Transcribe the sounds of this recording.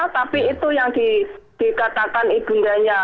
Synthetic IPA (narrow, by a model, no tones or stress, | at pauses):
t̪apiit̪ujaŋd̪̥id̪̥i̤kat̪akanib̥und̪aɲa